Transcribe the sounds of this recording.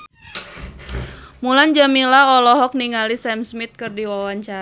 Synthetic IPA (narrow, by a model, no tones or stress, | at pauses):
muland͡ʒamilaɔlɔɦɔk̚niŋalisɛmsmit̪̚kɨrdiwawaɲt͡ʃaɾa